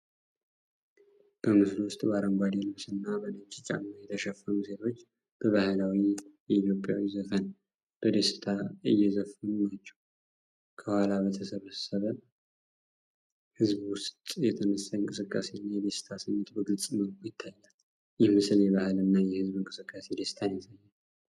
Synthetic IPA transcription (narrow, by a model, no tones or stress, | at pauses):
b̥əmɨslwʊst̪ʼbəaɾəmɡʷwad̪elɨβsɨnːabənət͡ʃʼːit͡ʃʼa̰najɛt̪ʰəʃɛfːənuse̞t̪ʰo̞t͡ʃː | b̥əβahɨlawijɛit̪jo̞pʼjawizəfən | b̥əd̪esɪ̥t̪ʰaɨjːɛzəfənunat͡ʃːɛ̥w | kʰəhʷwalabət̪ʰəsəβəsəβə | hɨzbwʊst̪ʼjɛt̪ʰənəsaɨŋkʼɨsɨkʼːase̞nːajɛd̪esɪ̥t̪ʰasəɲːɛt̪bəɡɨlt͡sʼməkujɪt̪ʰːajːal | jɛhmɨsɨljɛβahɨlɨnːajɛhɨzbɨŋkʼɨsɨkʼːase̞d̪est̪ʰajməsajːal